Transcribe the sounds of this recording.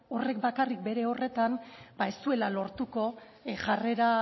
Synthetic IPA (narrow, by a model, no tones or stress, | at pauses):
o̞re̞k̚bakarik̚be̞ɾe̞o̞re̞t̪anb̥ae̞st̪ue̞lalo̞ɾt̪uko̞ | ʝare̞ɾa